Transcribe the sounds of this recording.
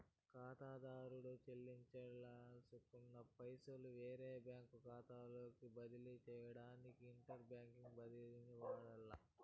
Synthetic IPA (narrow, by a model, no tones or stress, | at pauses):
kaːt̪aːd̪aːɾuɽut͡ʃelːiɲt͡ʃɐɭːasukːunːɐpɐjsɐluʋeːɾeːbjaːŋkukaːt̪aːlo̞ːkibɐd̪ilit͡ʃɛːjɐɽaːnikiːɳʈɐɾbjaːŋkiŋɡbɐd̪ilniʋaːɽɐlːɐ